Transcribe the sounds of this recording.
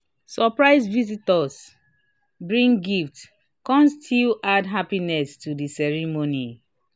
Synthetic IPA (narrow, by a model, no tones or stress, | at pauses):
sɔpɹaɪzvizitɔs | bɹĩŋɡift | kɔ̃mstʰilʔadɦapinɛstudisɛɹimoni